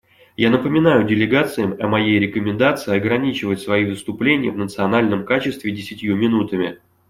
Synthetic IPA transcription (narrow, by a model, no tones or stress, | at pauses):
janəpəmʲɪnajʊdʲɪlʲɪɡat̪sɨjəmɐmɐjejɾʲɪkəmʲɪnd̪at̪sɨɪɐɡɾɐnʲit͡ɕɪvətʲsvɐivɨst̪ʊplʲenʲɪjə̰vnət̪sɨɐnalʲnəmkat͡ɕɪst̪vʲɪdʲɪsʲɪtʲjumʲɪnut̪əmʲɪ̰